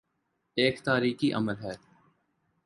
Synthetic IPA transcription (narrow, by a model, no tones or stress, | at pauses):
eːkt̪aːɾiːkiʔɐ̰məlɦɛː